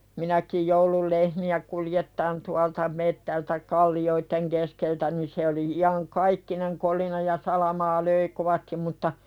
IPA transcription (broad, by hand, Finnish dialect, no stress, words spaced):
minækij joulul lehmiæ kuljetːɑːn tuɑltɑ metːæltæ kɑlːioitːeŋ keskeltæ ni se oli iɑŋkɑikːineŋ kolinɑ jɑ sɑlɑmɑː løi koʋɑstim mutːɑ